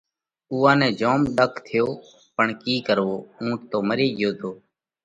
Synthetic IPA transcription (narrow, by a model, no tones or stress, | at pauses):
uːãːnɛ̃ːd͡ʒoːmɗəkʰt̪ʰɪjoː | pəɳkiːkəɾʋoːũːʈt̪oːməɾeːɠɪjoːt̪ʰoː